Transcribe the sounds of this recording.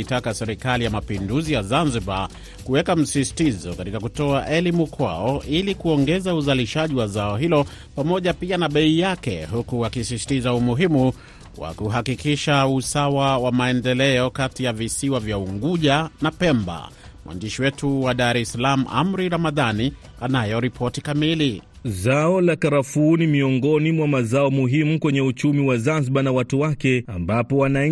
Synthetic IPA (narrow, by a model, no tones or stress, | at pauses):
itakasɛɾikalijamapinduzijazanziba | kuwɛkam̩sisi̥tizɔ̰katikakutɔaʔɛlimukwa̰ɔʔilikuɔŋɡɛzauzaliʃaʄiwazaɔɦilɔ | pamɔʄapianaɓɛijakɛ̰ɦukuwakisisi̥tizaumuɦimu | wa̰kuɦakikiʃausawawamaɛndɛlɛɔkatijavisiwavjauŋɡuʄanapɛmba̰ | mwa̰ndiʃiwɛtuwaɗaɾɛsalamuʔa̰mɾiɾamaðani | anajɔɾipʰɔtikamili | zaɔlakaɾafuːnimiɔŋɡɔnimwamazaɔmuɦimukwɛɲɛut͡ʃumiwazanzɓanawatuwakɛambapɔwana